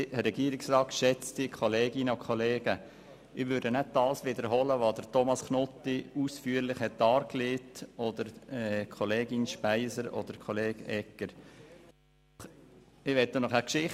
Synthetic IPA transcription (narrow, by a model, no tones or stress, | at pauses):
hɾɛɡ̥iːɾɪksɾɑːtʃɛt͡stɪkʰɔleːɡɪnəokʰɔleːɡə | ʔɪʋʉɾdənæd̚d̥ɑːsʋɪd̪əɾɦɔləʋɑːd̥ətʰɔmɑsknɔt̪ːiusfyːəɾlɪχhɛt̚d̥ɑːɾkleːtɔd̪əɾɛkʰoleːɡɪnʃpæɪsəɾɔ̰d̥̪əɾkʰoleːɡ̥ɛkːəɾ | ɪʋɛt̚ːonɔχækʃɪχ